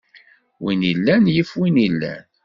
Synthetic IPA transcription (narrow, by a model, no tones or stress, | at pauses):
winilːænjifwinilːæ̰n